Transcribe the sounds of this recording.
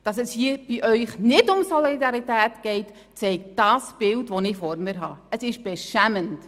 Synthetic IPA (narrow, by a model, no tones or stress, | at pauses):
d̥ɑsɛshiəb̥iʔœʏχnɪdʊmsɔlidɑɾitæːtɡ̥ɛɪt | t͡sɛɪk̚t̚d̥ɑːsb̥ɪltʋɔnɪfɔɾmɪɾɦɑəsɪʃb̥ɛʃæmənt